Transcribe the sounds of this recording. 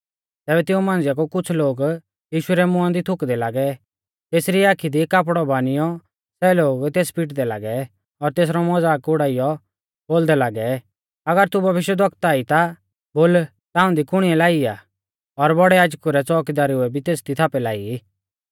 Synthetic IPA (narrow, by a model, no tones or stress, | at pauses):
t̪ɛːβɛt̪ɪũmãːnd͡zjakukʊt͡sʰloːɡ | jiːʃʊɛɾɛmʊãnd̪it̪ʰʊkd̪ɛlaːɡɛ | t̪eːsɾiaːkʰid̪ikap̬ɽɔbaːnɪjɔ | sɛloːɡt̪eːspɪʈd̪ɛla̰ːɡɛ | ɔɾt̪eːs̬ɾɔmɔd͡zaːkʊɽaːijɔ | boːld̪ɛlaːɡɛ | ɐɡəɾt̪ubʱɐʋɪʃjɛd̪ɔkt̪aːit̪a | boːl | t̪ãːʊ̃d̪ikʊɽ̃iɛlaːiaː | ɔɾbɔɽɛaːd͡ʒkuɾɛt͡sɔːkid̪aːɾiʊɛbʱit̪eːsd̪it̪ʰaːpɛlaːi